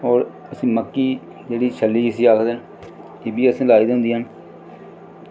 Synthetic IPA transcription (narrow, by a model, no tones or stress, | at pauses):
ɔːɾ | əsĩːməkːiː | d͡ʒeːɽiːt͡ʃʰəlːiːɪsiːaːkʰd̪eːn | ɪːbiːəsĩːlaːiːd̪ɦʊ̃nd̪iːɦən